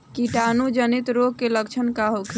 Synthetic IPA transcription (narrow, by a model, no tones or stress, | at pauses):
kiʈanud͡ʒənit̪ɾoɡ̚keləkt͡ʃʰənkaɦokʰi